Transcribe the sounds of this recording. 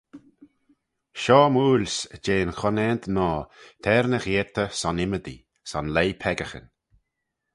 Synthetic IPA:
ʃɔːmuːlsd͡ʒeːnxɔnɛnt̪nɔːt̪ʰɛɾnəxeːt̪ʰəsɔnɪməd̪ḭ | sɔnleːpʰɛɡəxə̰n

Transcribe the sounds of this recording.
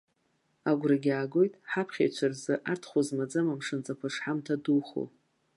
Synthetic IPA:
aɡʷraɡʲaːɡo̞jtʼħapʰχʲḛjt͡ʃʷʰarzɨʔartʰχʷozmad͡zamamʂɨnt͡sʼapʰɨʂħamtʰaduχo̰

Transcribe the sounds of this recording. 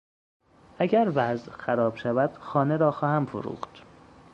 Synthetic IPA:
ʔæɟæɾvæzxæɾɒːb̥ʃævæd̪̥xɒːneɾɒːxɒːhæmfo̰ɾṵːxd̪̥

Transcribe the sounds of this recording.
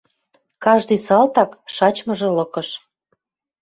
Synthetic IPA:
kɑʒd̪ɤjsɑlt̪ɑkʃɑt͡ɕmə̆ʒɤ̆lɤ̆kɤ̆ʃ

